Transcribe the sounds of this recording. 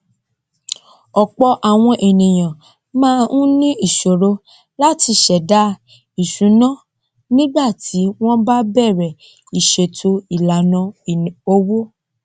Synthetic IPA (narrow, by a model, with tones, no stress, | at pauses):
ɔ˨k͡pɔ˧ʔa˨w̃ɔ̃˧ʔe˨nĩ˨j̃ã˨ | mãː˦nũ˦nĩ˦i˦˨ʃo˨ɾo˧ | la˦ti˧ʃɛ˨da˨˦ | i˨ʃũ˨˦nã˦ | nĩ˦ɡ͡ba˦˨ti˨˦w̃ɔ̃˦ba˦bɛ˦˨ɾɛ˨ | i˨ʃe˨tʰo˧i˨la˨nã˧˨o˧wo˦